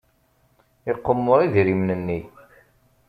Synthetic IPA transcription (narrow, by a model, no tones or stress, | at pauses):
ɪqːəmːʊɾˤiðɾimnənːi